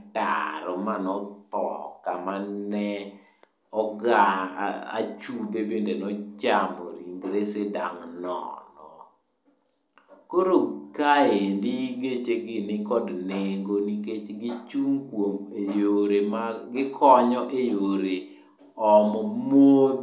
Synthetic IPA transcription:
ta̰ɾɔmanɔt̪ɔ̰kamanɛ | ɔɡaa̰t͡ʃudebendenɔt͡ʃambɔ̰ɾiŋɡɾeseda̰ŋnɔ̰nɔ | koɾokaendiɡet͡ʃeɡɪnɪkɔdneŋɡoniket͡ʃɡɪt͡ʃuŋkwomejoɾemaɡɪkʰɔɲɔʔejoɾe | ɔmɔmod̪

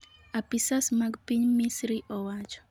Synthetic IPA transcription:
apisasmaɡpiɲmisɾiʔɔwat͡ʃɔ̥

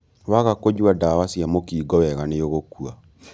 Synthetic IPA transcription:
waɣakod͡ʒwadawasjamokiːɡɔwɛɣanejoɣokua

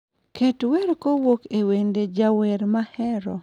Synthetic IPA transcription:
ketweɾkowokewended͡ʒaweɾmahɛɾɔ̰

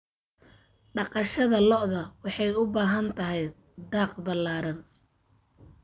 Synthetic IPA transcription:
ɖɑqɑʃɐðɐlɔʔðɐwɑħɑjʊbaːɦɐnt̪ʰɐɦɛj | d̪aːqbɐlaːɾɐn

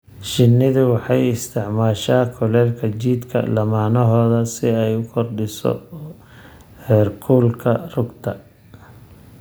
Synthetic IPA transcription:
ʃɪnːɪðɪwɑħɑjɪst̪ʰɪʕmaːʃaːkʰɔlɛːlkʰɐt͡ʃiːd̪kʰɐ̰lɐmaːnɔɦɔːðɐsɪɛjʊkʰɔrɖɪsɔ̰ | hɛːrkʰuːlkʰɐrʊɡt̪ʰɐ̰

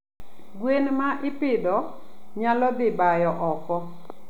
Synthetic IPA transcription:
ɡwenmaʔɪpɪdɔ | ɲalɔd̪ɪbajɔʔɔkɔ

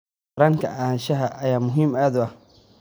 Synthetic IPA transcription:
ɾaːŋkʰɐʔaːhɐʃɐɦɐʔɐjaːmʊɦiːmaːd̪ʊɐh

